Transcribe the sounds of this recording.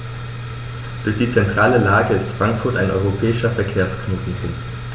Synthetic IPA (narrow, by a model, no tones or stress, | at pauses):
d̥ʊɐçd̥iːt͡sɛntʁ̥aːləlaːɡəɪstfʁ̥aŋkfʊɐtaɪnʔɔʏʁopʰɛːɪʃɐfɛɐkʰeːɐsknoːtn̩pʰʊŋkt